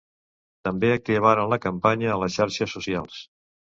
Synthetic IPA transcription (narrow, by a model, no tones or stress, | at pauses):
t̪əmbeəkəβ̞aɾənləkəmpaɲəːləsʃaɾʃəsːusialˠs